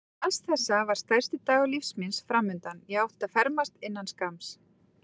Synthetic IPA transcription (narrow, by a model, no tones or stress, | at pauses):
ast̪θɛsːavaɾ̥st̪ajr̥st̪ɪt̪aːɣalifsminsfɾamːʏnt̪anjɛɣawht̪afɛɾmast̪ɪnːanskams